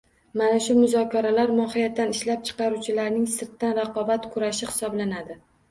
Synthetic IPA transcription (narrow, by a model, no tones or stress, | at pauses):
manaʃʊmʊzɒkʲaɾalaɾmɒhɪjat̪ːanɪʃlap̚t͡ʃʰɨ̥qɑɾut͡ʃʰɪlaɾnɪŋsɪɾt̪ːanɾɑqɒbat̪kʰʊɾaʃɪχhɪ̥sɒblanad̪ɪ